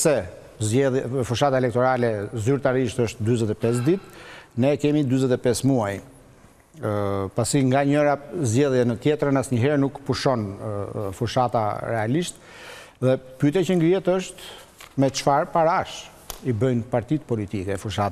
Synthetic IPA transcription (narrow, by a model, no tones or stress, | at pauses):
sɛ | zɛðjɛfuʃat̪aɛlɛk̚t̪ɔɾalɛzyɾt̪aɾiʃt̪əʃt̪d̪yzɛt̪ɛpɛs̬d̪it̪nɛkɛmid̪yzɛt̪ɛpɛsmuaj | pasiŋɡaɲəɾazɟɛðjɛnət̪jɛt̪ɾənasɲəɦɛɾnukpuʃɔn | fuʃat̪a̰ɾɛaliʃt̪ | ðɛpyt̪ɛt͡ɕəŋɡɾiɛt̪əʃt̪ | mɛt͡ʃfaɾpaɾaʃ | ibəjnpaɾt̪it̪pɔlit̪ikɛfuʃat̪